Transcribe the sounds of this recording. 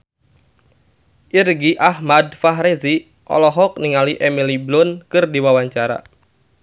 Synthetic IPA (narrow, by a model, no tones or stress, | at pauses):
ʔirɡiʔahmadfaɦɾezi | ʔɔ̰lɔɦɔk̚niŋaliʔemiliblʊnkɨrdiwawaɲt͡ʃaɾa̰